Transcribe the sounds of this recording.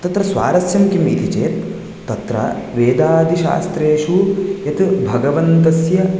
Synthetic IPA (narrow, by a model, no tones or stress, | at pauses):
t̪ɐt̪ɾɐsʋa̰ːɾɐsjɐmkimḭːt̪it͡ʃeːt̪ː | ɐt̪ɾɐ̰ʋeːd̪aːd̪ʱiʃa̰ːst̪ɾeːʃujɐt̪bʱɐɡɐʋɐnt̪ɐsjɐ